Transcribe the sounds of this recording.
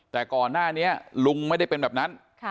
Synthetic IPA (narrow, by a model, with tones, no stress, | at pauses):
t̪ɛː˨˩kɔː˨˩nːaː˥˩ni˦˥ɐlu˧ŋma˥˩jda˥˩jpe˧nbɛː˨˩p̚na˦˥nʰ